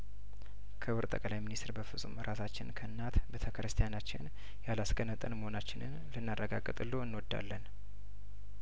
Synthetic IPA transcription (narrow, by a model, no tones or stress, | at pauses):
kʰɨβɨɾt̪ʼə̰kʼlajminist̪ɾbəfɨsʼumɾʔasat͡ʃːɪnkʰəɨnːat̪bet̪ʰəkʰɾɨst̪ʰijanat͡ʃːɪn | jalaskənːət̪ʼənməho̞nat͡ʃːɪnɨn | lɨnːarːəɡaɡʼɨt̪ʼɨlːoɨnːwɔd̪ːa̰lːən